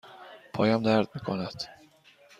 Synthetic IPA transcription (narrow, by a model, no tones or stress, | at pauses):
pʰɒ̰ːjæmd̪æɾd̪̚miːkʰonæd̪̥